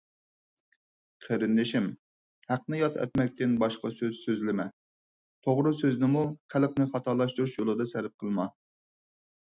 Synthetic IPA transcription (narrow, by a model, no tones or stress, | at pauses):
qʰəɾɪnd̪ɪʃim | hæqnɪjɑt̪ʰɛ̰t̪mɛkʲt̪ɪnbɑʃqɑsøzsøzlɪmɛ | t̪ʰoʁɾɨsøznɪmuqʰælˠqnɪχɑt̪ʰɑɾlˠɑʃt̪uɾuʃjolˠɨd̪ɑsæɾɪp̚qʰəlˠmɑ